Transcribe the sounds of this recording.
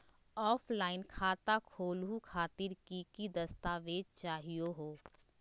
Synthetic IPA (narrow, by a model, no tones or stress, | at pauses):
ɔːpʰlaːɪnkʰaːt̪akʰoːlɦukʰaːt̪ɪɾkikid̪ɐst̪aːʋeːd̪̚t͡ʃaːɦijoɦoː